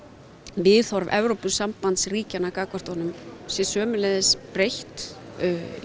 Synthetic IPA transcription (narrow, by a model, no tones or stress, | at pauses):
vɪθɔɾvɛ̰vɾowpʏsampant̪sriːcanakaːkɔr̥t̪ɔnʏmsjɪsœːmʏlɛðɪspɾejht̪